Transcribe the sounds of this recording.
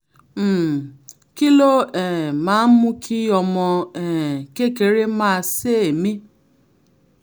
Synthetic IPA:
m̩˨ | ki˦lo˦ɛ˨ma˦mu˦kʰi˦jɔ˨mɔ˨ɛ˨ke˦ke˨ɾe˦ma˦˨se˦˨mi˦

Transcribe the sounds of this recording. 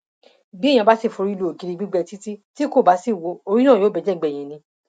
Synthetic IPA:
bĩ˦˨ã˧ba˦si˦˨fũ˧ɾi˦˧lu˧˦o˨ki˨˧ɾi˧ɡ͡bi˦ɡ͡bɛ˧ti˦ti˦ti˦ko˦˨ba˨˦si˦˨wo˧o˧ɾi˦nã˦˨joː˨˦bɛ˨˧d͡ʒɛ˦˨ɡ͡bɛ̃˨ɛ̃˨nĩ˧

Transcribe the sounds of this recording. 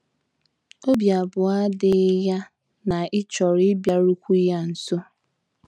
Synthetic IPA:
o˦bja˨bʊ˨a˦dɪ˦ja˦ | na˨ɪ˦t͡ʃɔ˨ɾɪ˦bja˨ɾu˦kʷu˦ja˦n̩˨so˦

